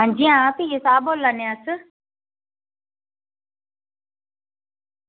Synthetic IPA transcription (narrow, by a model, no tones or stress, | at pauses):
ɦãːɲd͡ʒiːãp̪ijesaːboːlaneəs